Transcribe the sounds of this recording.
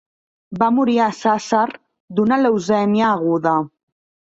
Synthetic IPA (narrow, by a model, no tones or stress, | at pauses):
bamuɾiasasaɾ | d̪unalewzɛnjaːɣuða